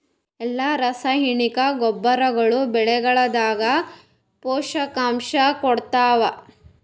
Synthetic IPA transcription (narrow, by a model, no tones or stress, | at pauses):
ɛlːaɾɐsɐɦiɳikɐɡɔbːɐɾɐɡɐɭubɛɭɛɡɐɭɐd̪aːɡɐ | pɔːʃɐkaːmʃɐkɔɽt̪aːʋɐ